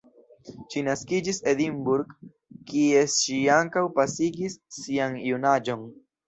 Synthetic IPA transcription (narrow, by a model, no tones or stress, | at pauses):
ʃinaskid͡ʒise̞dimbuɾɡ | kie̞ʃiaŋkawpasiɡisːianjunad͡ʒo̞n